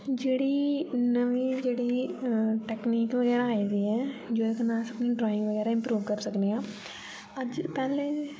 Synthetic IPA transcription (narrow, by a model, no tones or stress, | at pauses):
d͡ʒeːɽiːnəʋiːd͡ʒeːɽi | ʈɛːkniːkʋəɣɛːɾaːid̪iːɦɛːd͡ʒoːekʰnãːsəpniɖɾaːɪ̃ŋɡʋəɡɛːɾaɪ̃mpɾuːʋkəɾsəkneɡãː | əd͡ʒpɛːleː